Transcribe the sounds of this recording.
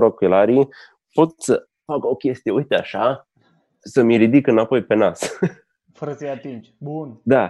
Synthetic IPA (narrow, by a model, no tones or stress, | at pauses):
ɾokilaɾi | po̞t̪̚sə | fako̞kʲe̞st̪ijeujt̪ea̰ʃa | səmiɾid̪ikɨnapo̞jpe̞nas | fəɾəsəjat̪ind͡ʒbund̪a